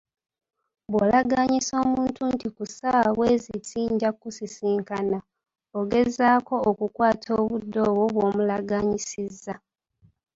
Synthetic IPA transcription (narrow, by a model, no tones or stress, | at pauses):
βwolaɡaːɲiso̞ːmuːntuntikusaβwe̞ːzitiːɲɟakusisiːŋkana | oɡe̞zaːko̞okukwaːtʰo̞ːβudːo̞ːwo̞βwo̞ːmulaɡaːɲisizːa